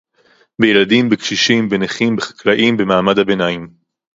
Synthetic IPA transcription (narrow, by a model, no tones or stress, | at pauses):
bejeladimbekʃiʃimbeneχimbeχḁklaʔimbemaːmadhabenajim